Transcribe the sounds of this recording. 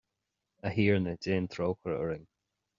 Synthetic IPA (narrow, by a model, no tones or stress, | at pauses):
əhiːɹnədeːnt̪ʰɹoːwkəɹəɹɪŋ